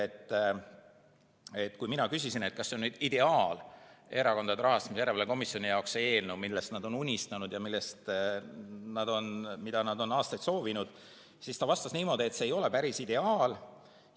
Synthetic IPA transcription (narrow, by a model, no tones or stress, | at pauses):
et̪ː | et̪ːˑkujminɑkysisine̞t̪̚kɑsːeo̞nnyːd̪̥id̪̥e̞ɑːle̞ɾɑko̞nd̪̥ɑd̪ɾɑɦɑst̪ɑmisjæɾevɑleko̞misjo̞nijɑoksee̞ːlnumilːest̪nɑd̪o̞nunʲist̪ɑnud̪jɑmilːest̪ | nɑd̪̥o̞nmid̪̥ɑnɑd̪̥o̞nɑːst̪ɑjt̪so̞ːvinud̪̥ | sist̪ɑvɑst̪ɑsniːmo̞ːd̪̥ie̞t̪se̞ːjo̞le̞pæɾisid̪e̞ɑːl